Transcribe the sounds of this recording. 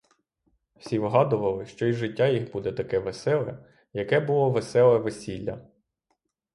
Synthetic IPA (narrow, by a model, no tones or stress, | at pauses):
wsʲiʋɦɑd̪ʊʋɐlˠɪʃt͡ʃɔiʒɪtʲːajixbud̪ɛt̪ɐkɛʋesɛlˠɛ | jɐkɛbʊlˠɔʋesɛlˠɛʋesʲilʲːɐ̰